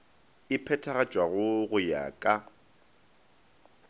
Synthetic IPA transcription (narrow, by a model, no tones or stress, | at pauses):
ɪpʰɛtʰaɣḁt͡ʃʼwaɣʊɣʊja̰kʼa